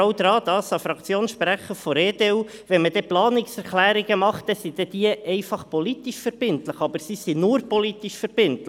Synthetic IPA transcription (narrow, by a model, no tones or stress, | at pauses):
awd̥̪ɾɑːd̪ɑsɑfɾɑkt͡sjoːnsʃpɾæχəfɔɾeːd̪e | ʋɛnmədɛplɑːnɪksɛɾklæːɾɪɡəmɑχt̚ːɛsid̥̪ɛd̥̪iəɛɪfɑχpɔlit̪iʃfəɾb̥ɪnt̪ləχɑbəɾsisinʊɾpɔlit̪iʃfəɾb̥ɪntl